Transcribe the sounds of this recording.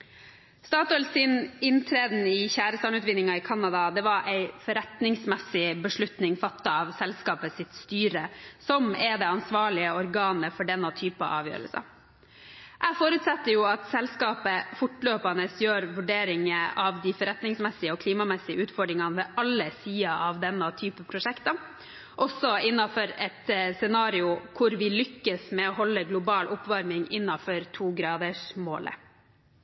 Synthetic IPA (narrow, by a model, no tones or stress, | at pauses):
st̪ɑːt̪ɔlsɪnɪnt̪ʰɾeːd̪n̩ɪçæːɾəst̪ɑːɳʉːt̪ʋɪnːɪŋɑɪkʰɑnːɑd̪ɑd̪ɛʋɑɾʔæɪfɔɾɛt̪nɪŋsmɛsɪbəʂɭʉt̪nɪŋfɑt̪ːɑɑʋsɛlskɑːpəsɪt̪st̪yːɾəsɔmɛd̪ɛːɑnsʋɑːɭɪəɔɾɡɑːnəfɔɖɛnːɔt̪ʰyːpə̰ʔɑ̰ːʋjø̰ːɾə̰lsɑ̰ | ʔæfoːɾʉːt̪sɑt̪ːəɾjʊɑt̪sɛlskɑːpəfʊʈːløːpɑnəsjøːɾʋʉɖeːɾɪŋəʔɑʋd̪ɪfɔɾɛt̪nɪŋsmɛsɪəɔkʰliːmɑmɛsɪə̰ʔʉːt̪fɔɖɾɪŋɑnʋɛːʔɑlːəsiːɑʔɑʋd̪ɛnːɑt̪ʰyːpəpʰɾʊʂɛkt̪ɑ | ʔɔsːɔɪnːɑfɔɾɛt̪sɛnɑːɾɪʊkʰʊɾʋɪlʏkːəsmɛɔɦɔlːəɡlʊbɑːlʔʊpʋɑɾmɪŋɪnːɑfɔɾt̪ʰuːɡɾɑːd̪əʂmoːlə̰